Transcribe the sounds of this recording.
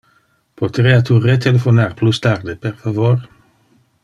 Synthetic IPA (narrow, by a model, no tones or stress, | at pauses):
pot̪ɾiat̪uret̪elefonarplust̪aɾd̪eperfavor